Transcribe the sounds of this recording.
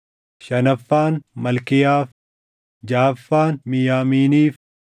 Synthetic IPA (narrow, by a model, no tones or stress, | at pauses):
ʃɐnɐfːaːnmɐlkɪjaːf | d͡ʒaːfːaːnmɪjaːmiːniːf